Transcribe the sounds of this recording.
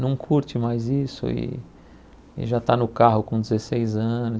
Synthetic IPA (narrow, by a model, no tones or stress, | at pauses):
nɐ̃w̃kʰuɾt͡ʃɪmajzisʊ̰ɪ̰ | ɪ̰ʒat̪anʊkaɦʊkõd͡ʒ̪ezesejzɐ̃nʊ